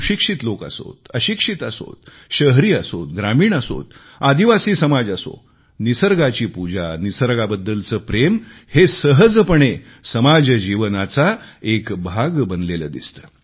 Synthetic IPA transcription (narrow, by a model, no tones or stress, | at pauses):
ɕikʂit̪loka̰so̰t̪əɕikʂit̪aso̰t̪̚ | ɕəɦɾiːasot̪̚ɡɾamiːɳ̃aso̰t̪ | ad̪iʋasiːsəmad͡zaso̰ | nisəɾɡat͡ɕiːpud͡ʑanisəɾɡabəd̪ːəlt͡səːpɾemhesəɦəd͡zpəɳe | səmad͡zd͡ʑiʋnat͡saekbʱaɡbənd̪leləːd̪ḭst̪ə̥ː